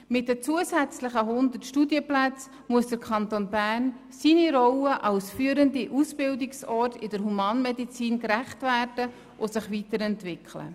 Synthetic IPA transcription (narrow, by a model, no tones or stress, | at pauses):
mɪt̚dət͡suəsæt͡sləχəɦʊnd̪ərtʃtudjəplæt͡s | muəsd̥əɾkʰɑnt̪onbæːrn | siniɾɔwəʔɑlsfyːəɾəndiʔusb̥ɪldɪksɔːtɪdəɾɦumɑːnmɛdit͡siːnkɾæχtvæːrdə | ʔosɪχvitəɾɛntvɪkʰlə̰